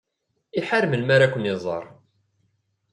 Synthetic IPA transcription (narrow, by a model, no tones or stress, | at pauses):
iħaɾməlmaɾakʷənɪzˤɑ̰ɾˤ